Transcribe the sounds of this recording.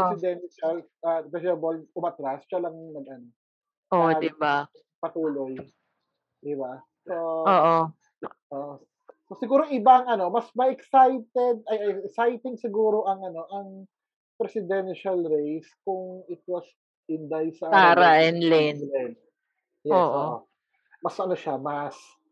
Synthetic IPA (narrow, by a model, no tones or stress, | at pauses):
sɪd̪ɛnʃɐl | ʔɐpɛsɛboʔʊmɐt̪ɾast͡ʃɐlɐŋnɐɡɐno | ʔod̪iba | pɐt̪uːlo̞j | d̪ɪba | sooʔo | ʔoʔ | sosɪɡuːɾoʔɪbaɐŋʔɐno̞mɐsmɐʔɛksajt̪ɛd̪̚ɐjʔɛɛksajt̪ɪŋsɪɡuːɾo̞ʔɐŋɐno̞ʔɐŋ | pɾɛsɪd̪ɛnʃɐlɾejskʊŋɪt̪̚wɐs | ʔɪnd̪ajsɐaɾaʔɛnlɛnlɛn | jɛːsʔoʔ | mɐsʔɐno̞ʃamɐs